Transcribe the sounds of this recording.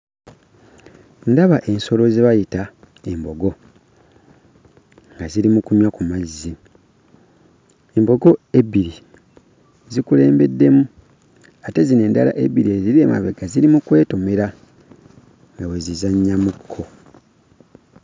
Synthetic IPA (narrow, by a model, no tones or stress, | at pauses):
ndaβaʔe̞nso̞lo̞ziβajita | e̞mbo̞ɡo̞ | ŋɡaziɾimukuɲwakumazːi | e̞mbo̞ɡo̞e̞βiɾi | zikule̞ːmbe̞dːe̞mu | ate̞zine̞ːndala̰ʔe̞βiɾie̞ziɾiema̰βeɡaziɾimukwe̞ːtomeɾa | ŋɡawe̞zizaɲːamukʰːo̞